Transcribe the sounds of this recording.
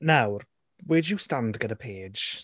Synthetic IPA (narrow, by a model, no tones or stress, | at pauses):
nawr | weːd͡ʒjustandɡədəpʰe̥ːd͡ʒ